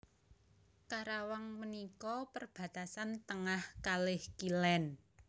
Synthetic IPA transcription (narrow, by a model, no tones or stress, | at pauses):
kaɾawaŋmənikɔpərb̥a̤t̪asant̪əŋahkalɪhkilɛn